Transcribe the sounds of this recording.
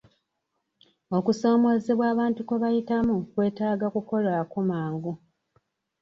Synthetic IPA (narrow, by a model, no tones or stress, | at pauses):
o̞kuso̞ːmo̞ze̞βwaːβaːntukuβajitamukwe̞ːtaːɡakuko̞lakumaːŋɡu